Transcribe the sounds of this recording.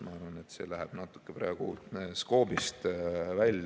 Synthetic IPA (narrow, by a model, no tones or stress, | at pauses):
mɑɑrʋɑnet̪se̞̰ːlæɦɛb̥nɑt̪ːˑu̥kːeprɑːɡ̥usko̞ːbist̪vælʲː